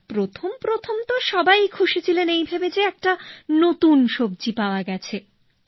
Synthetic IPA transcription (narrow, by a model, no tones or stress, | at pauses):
pɾot̪ʰompɾot̪ʰomt̪oʃɔbajkʰuʃet͡ɕʰilenejbʱabed͡ʑeɛk̚ʈanot̪unʃob̚d͡ʑipaoaɡɛt͡ɕʰe